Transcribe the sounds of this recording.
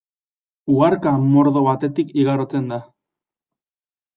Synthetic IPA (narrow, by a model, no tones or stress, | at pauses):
uɣaɾkamo̞ɾðo̞βat̪e̞t̪ikiɣaɾot͡se̞nd̪a